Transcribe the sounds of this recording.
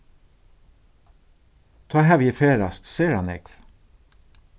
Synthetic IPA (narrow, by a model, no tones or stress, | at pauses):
t̪ʰɑːhæːʋiːfeːɾɑst̪seːɾɑnɛ̰kf